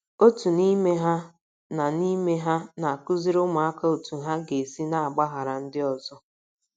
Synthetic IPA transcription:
o˦tu˨ni˦me˦ɦa˦ | na˨ni˦me˦ɦa˦na˨a˨kʊ˦zi˦ɾʊ˦ma˨a˦ka˦o˨tu˨ɦa˦ɡe˨si˦na˨a˨ɡ͡ba˦ɦa˨ɾa˨n̩˦dɪ˦ɔ˨zɔ˦

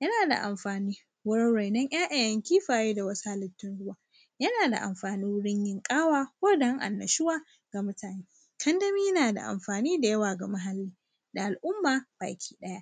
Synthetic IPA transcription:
jɐ˦naː˨da̰˨ʔa̰˨mɸaː˨niː˦ | wʊ˦ɾɪ˦ɽa˨jnɐ˦ɲʔaː˦ʔa˨jɐ˦ŋkʲiː˦ɸaː˨jeː˦da˨wɐ˦sa˦lɪ˨tːɪ˦nɽʊ˦waː˨ | jɐ˦naː˨da̰˨ʔa̰˨mɸaː˨niː˦wɽɪ˦ɲjɪ˦ŋkʼaː˦waː˦kʷoː˦dɐ˦ŋʔa̰˨nːɐ̰˨ʃɪ˦waː˦ | ɡ̥a˨mʊ˦taː˨neː˦ | kʰɐ˦ndɐ˦miː˦jnaː˨da̰˨ʔa̰˨mɸaː˨niː˦da˨jɐ˦waː˨ɡa˨ma˦ɦa˨lːiː˦ | da˨ʔa˨lʔʊ˦mːaː˨b̥a̰ː˨kʲʰi̥ː˦ɗɐ˦ja˦ʔ

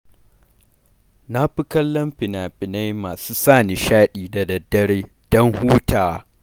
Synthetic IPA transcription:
na˦ɸɪ˦kɐ˦llːɐ˦mɸɪ˨naː˨ɸʼɪ˨na˦jmaː˨suː˦saː˦˨ne˨ʃaː˦ɗiː˨da˨dɐ˨dːɐ˦ɾeː˦ | d̥ɔ˦ŋhuː˦taː˨

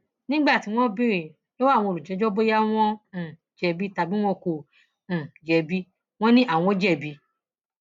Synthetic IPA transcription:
nĩ˦ɡ͡ba˦˨ti˨˦w̃ɔ̃˦bi˦ɾe˨ | lo˦wa˦˨w̃ɔ̃˧˨ɾu˨d͡ʒɛ̃˨˦d͡ʒɔ˦bo˦ja˦w̃ɔ̃˦˨ | d͡ʒɛ˨bi˦ta˨bi˦w̃ɔ̃˦kõ˧˨ | d͡ʒɛ˨bi˦ | w̃ɔ̃˦nĩ˦ʔa˦˨w̃ɔ̃˧˦d͡ʒɛ˦˨bi˧˦

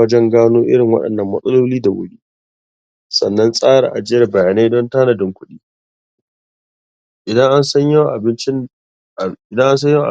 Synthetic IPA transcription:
ɐ˦d͡ʒɛ˦ŋɡaː˦noː˦ʔɪ̰˦ɽɪ˨ŋwɐ̰˦ɗɐ̰˨nːɐ˨mːɐ˦sʼɐ˦loː˦liː˦da˨wʊ̰˦ɽiː˦ | sɐ̰˨nːɐ˦nsʼaː˦ɽa̰ː˨ʔa̰˨d͡ʒɪ˦jɐ˨rbɐ˨jaː˨na˦jdɔ˦ntaː˦nɐ˨dɪ˦˨ŋkʷʊ˦ɗiː˦ | ʔɪ˨dɐ˦ŋʔa˦nsɐ˦ɲa˦˨ʔa˨bɪ˦nt͡ʃɪ˦˨ | dɐ˦ŋʔa˦ns̬ɐ˦jʔ

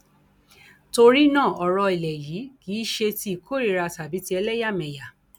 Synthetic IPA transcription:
to˧ɾi˦nãː˦˨ɔ˨˧ɾɔ˧i˨lɛ˨jiː˨˦kiː˨˦ʃe˧ti˧i˨kʰo˦ɾi˧˦ɾa˧sa˨bi˨˦ti˧˦ɛ˧lɛ˦ja˦˨mɛ̃˨ja˨

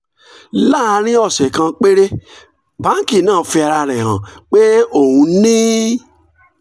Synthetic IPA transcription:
la˦˨a˧ɾ̃ĩ˦ɔ˦˨sɛ˨kã˧k͡pe˦ɾe˦ | bã˦ŋ̩˦˨ki˦˨nãː˦˨˦fi˧a˧ɾa˧ɾɛ˨ɦã̰˨k͡pe˦o˦˨hũ˧nĩ˦

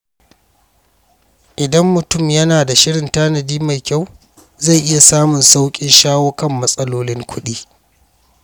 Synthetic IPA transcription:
ʔɪ˨dɐ˦mːʊ˨tʊ˦˨mjɐ˦naː˨da˨ʃɪ˦ɽɪ˨ntaː˦nɐ˨diː˦ma˨jkʲa˦˨w | za˦˨jʔɪ˦ja˨saː˦mʊ˨nsa˦wkʲʼɪ˦nʃaː˦woː˦kɐ˦˨mːɐ˦sʼɐ˦loː˦lɪ˦ŋkʷʊ˦ɗiː˦

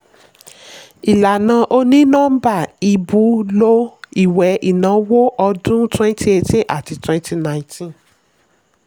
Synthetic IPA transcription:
i˨la˨nã˧ʔo˦nĩ˦nɔ̃˦ba˦˨i˧bu˨˦lo˦i˨wɛ˨˦ʔi˨nã˨˦wo˦ʔɔ˧dũ˦twɛ̃˦n˦ti˧˦e˧tĩ˦ʔa̰˦˨ti˧twɛ̃˧n˦ti˧nã˨ĩ˦tʰĩ˦

